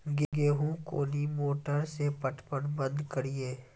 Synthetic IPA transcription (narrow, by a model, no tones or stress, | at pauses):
ɡɪɡeːɦũko̰ːnimoːʈəɾsepəʈʰpənbə̃nd̪kəɽieː